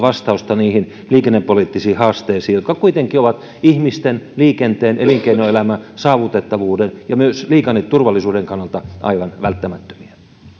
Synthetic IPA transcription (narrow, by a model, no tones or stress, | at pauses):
ʋɑst̪ɑust̪ɑniːhin | liːkenːepːoliˑt̪ːisiːhɑːst̪eːsiːjot̪kɑkuit̪eŋkˑioʋɑt̪ | ihmist̪enliːkent̪eːnʔeliŋkeinoelæmæsɑːʋut̪et̪ːɑʋuːdenjɑmyøsliːkɑnːet̪t̪urʋɑlːisuːdeŋkɑnːɑlt̪ɑʔɑ̰iʋɑnʋælt̪ːæmæt̪ːø̥miæ